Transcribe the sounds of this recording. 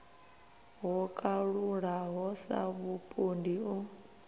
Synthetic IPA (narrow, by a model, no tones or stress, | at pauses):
ɦɔkʼaɺuɺaɦɔsa̰βupʼondiu